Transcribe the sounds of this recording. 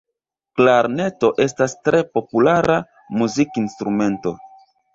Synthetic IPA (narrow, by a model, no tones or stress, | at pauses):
klaɾne̞to̞ʔe̞s̬tastɾe̞po̞pulaɾa | muzikinstɾume̞nto̞